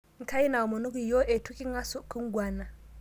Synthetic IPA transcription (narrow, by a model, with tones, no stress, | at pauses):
ŋ̩˨ka˦ji˦na˨o˨mo˨nu˦ku˨jo˦ʔe˨tu˦ki˦ŋa˦su˦ku˦ŋ˦ɡwa˦˨na˨